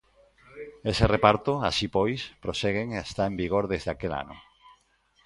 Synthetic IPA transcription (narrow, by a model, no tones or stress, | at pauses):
eserepaɾt̪oʊa̰sipojspɾoseɣ̞eŋest̪aembiɣ̞oɾðezðakela̰nʊ̰